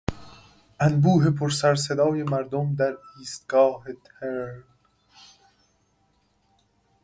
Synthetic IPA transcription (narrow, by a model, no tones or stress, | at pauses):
ʔænbuːɦe̞pʰoɾsæɾs̬ed̪ɒːjemæɾd̪omd̪æɾiːst̪̚ɡ̥ɒːhet̪ʰeɾɾ